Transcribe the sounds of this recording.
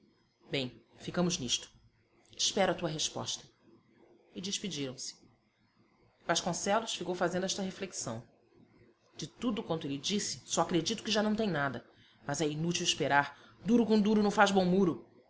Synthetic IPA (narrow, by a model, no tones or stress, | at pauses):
bẽj̃fikɐ̃mʊzniʃt̪ʊ̥ | ɪ̥ʃpɛɾat̪uɐɦeʃpɔ̰ʃt̪ɐ̥ | ɪd͡ʒɪʃpid͡ʒiɾɐ̃w̃sɪ̥ | v̥aʃkõsɛlʊsfikowfazẽnd̪ʊɛʃt̪ɐɦefleksɐ̰̃w̃ | d͡ʒɪt̪ud̪ʊkwɐ̃nt̪ʊelɪd͡ʒisɪ̥sɔakɾed͡ʒit̪ʊ̥kɪʒanɐ̃w̃t̪ẽj̃nad̪ɐ | mazɛinut͡ʃiwiʃpeɾaɾ | d̪uɾʊkõd̪uɾʊnɐ̃w̃fazbõw̃muɾʊ